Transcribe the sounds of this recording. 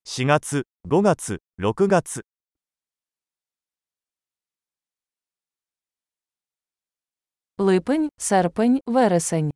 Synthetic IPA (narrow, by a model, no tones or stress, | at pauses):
ɕiɡat͡sɨ | ɡo̞ɡat͡sɨ | ɾo̞kɯ̟ɡat͡sɨ | lɨpɨnʲsaɾpɨnʲvaɾəsɐnʲ